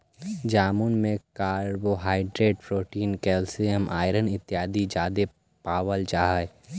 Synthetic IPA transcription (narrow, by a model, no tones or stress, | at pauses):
d͡ʒaːmuːnmẽkaːɾboɦaːɪɖɾeːʈpʰɾoːʈiːnkɛːlsijəmʔa̰ːɪɾənɪt̪ːjaːd̪id͡ʒaːd̪e | paːʋəld͡ʒaːɦə